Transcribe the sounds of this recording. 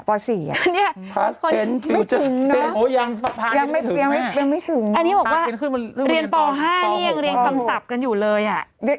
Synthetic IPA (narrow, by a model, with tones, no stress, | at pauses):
pɔː˧siː˨˩˦a˧˨ni˦˥˩kʰo˧˩e˧nma˥˧ɯ˩˦ŋnɔ˧˦˥o˨˦ja˧ŋa˧˩pʰa˥ja˧ŋma˥˩˨i˧ŋma˥˩pe˧ma˥˩jt̪ʰɯ˨˩˦ŋʔa˧nːi˦˥bɔː˨˩k̚waː˥˩˧nkʰɯː˥˩nm˧nɯː˥˩ɾi˧ənpɔː˧ɦaː˥˩niː˥˩ja˧ŋɾi˧ənkkʰa˧msa˨˩p̚ka˧njuː˨˩lɤː˧jʔa˨˩ʔ